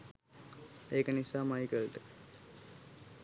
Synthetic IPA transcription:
eːkənisaːmajkəlʈə

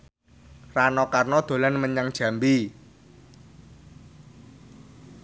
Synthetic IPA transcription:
ranɔkarnɔd̪̥o̤lanməɲaŋd̥ʒ̥a̤mbi

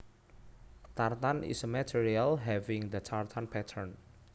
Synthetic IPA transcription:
t̪art̪anʔɪ̰smɛt̪ʰiɾialɦɛvɪ̃ŋd̪ət͡ʃʰart̪ʰanpʰɛt̪ʰərn

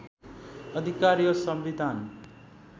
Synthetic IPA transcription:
ʌd̪ʱikaɾijʌsʌmʋid̪ʱan

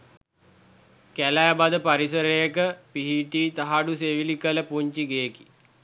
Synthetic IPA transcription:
kælajabad̪əpaɾisəɾejəkəpiɦiʈiːt̪aɦaɖuseʋilikələpuɲt͡ʃiɡeki̥

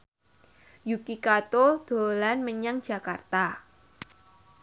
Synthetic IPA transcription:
jukikat̪od̪̥o̤lanməɲaŋd͡ʒ̥a̤kart̪a

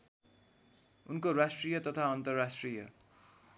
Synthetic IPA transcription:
unkorasʈrijʌt̪ʌt̪ʰaʌnt̪ʌrːasʈrijʌ̰

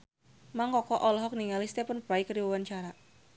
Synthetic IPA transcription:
maŋkɔkɔʔɔlɔɦɔk̚niŋalist̪ɛpənpɾajkəɾiwəwaɲt͡ʃaɾa

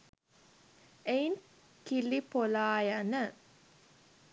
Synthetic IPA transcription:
ejn | kilipolaːjanə

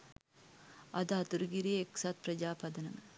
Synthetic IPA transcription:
ɐd̪ɐɦɐt̪uɾuɡiɾijeeksɐt̪̚pɾɐd͡ʒaːpɐd̪ɐnɐmə

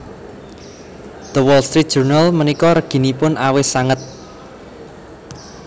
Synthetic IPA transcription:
d̪̥əwɔlst̪ɾit̪̚dʒ̥urnalmənikɔɾəɡ̥i̤nipʊnʔawɪsaŋət̪̚

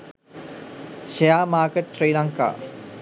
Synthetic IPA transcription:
ʃejaːmaːkəʈɾejlaŋka̰ː

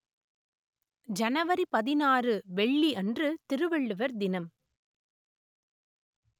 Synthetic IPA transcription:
d͡ʒɐnɐʋɐɾipɐðɪnaːrɯʋɛɭːiʔɐndrɯt̪ɪɾɯʋɛɭːɯʋɐɾd̪ɪnɐm

